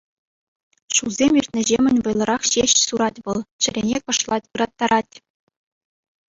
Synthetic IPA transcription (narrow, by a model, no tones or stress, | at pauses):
ʃulˠzʲemʲirʲtʲnʲɘ̆ʑemʲɘ̆nʲʋɤ̆jlˠɤ̆ɾɑχɕeɕsuɾɑtʲʋɤ̆lˠt͡ɕɘ̆ɾʲenʲekɤ̆ʂlˠɑtʲɯɾɑt̪ːɑɾʔɑtʲ